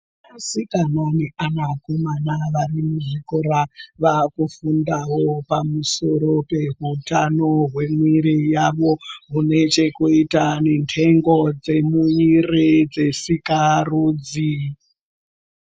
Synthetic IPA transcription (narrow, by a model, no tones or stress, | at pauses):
asikanoniʔanakomanaʋarimuʐikoɾaʋakufundawo̞pamuso̞ɾo̞pe̞ɦutano̞ɦwe̞mwiɾijaʋo̞ɦune̞t͡ʃe̞kuitanentʰe̞ŋɡod͡ze̞muirid͡ze̞sikaruːd͡zi